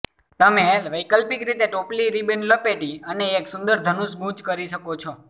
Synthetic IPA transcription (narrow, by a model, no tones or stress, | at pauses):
t̪əmeʋəikəlpikɾit̪eʈopliɾibenləpeʈiəneːksʊ̃nd̪əɾd̪ʱənusɡũt͡ʃkəɾiʃəkot͡ʃʰo